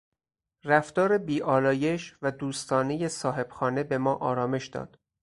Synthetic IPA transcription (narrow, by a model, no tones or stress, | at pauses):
ræft̪ɒːɾebiːʔɒːlɒːje̞ʃvæd̪uːst̪ɒːne̞je̞sɒːɦe̞b̥xɒːne̞be̞mɒːʔɒːɾɒːme̞ʃd̪ɒ̰ːd̪̥